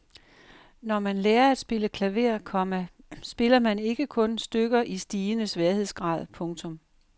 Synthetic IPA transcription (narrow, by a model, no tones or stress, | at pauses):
nɒmænleːɐæd̥sb̥e̝ləkʰlæʋe̝ɐ̰kʰɒ̽mæ | sb̥e̝lɐmæne̝ɡ̥əkʰɔ̽nsd̥øɡ̥ɐʔisd̥iːnəsʋeɐhe̝ð̞̰ˠsɡ̥ʁɑ̰̈ːð̞ˠpʰɔ̽ŋt͡sʰɔ̽m